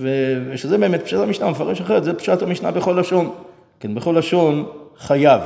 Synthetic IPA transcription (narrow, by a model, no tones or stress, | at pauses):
veveʃezebeemet̪̚pʃatamiʃnamefaʁeʃaχeʁet̪zepʃat̪hamiʃna̰beχo̞laʃo̞n | kenbeχo̞laʃonχajav